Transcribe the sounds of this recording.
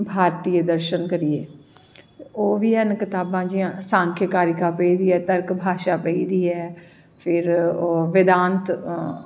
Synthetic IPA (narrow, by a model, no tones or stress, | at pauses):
bʱaːɾt̪iːəd̪əɾʃənkəɾieː | oːʋiːɛnkɪt̪aːbãːd͡ʒiãːsãːŋkʰjəkaːɾɪkaːpəiːd̪iːɛːt̪əɾkbʱaːʃaːpəiːd̪iːɛː | pʰɪɾoʋɪd̪ãːnt̪